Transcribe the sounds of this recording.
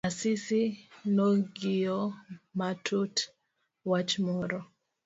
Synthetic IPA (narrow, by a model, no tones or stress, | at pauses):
asisinɔɡiɔmatʰut | wat͡ʃmɔɾɔ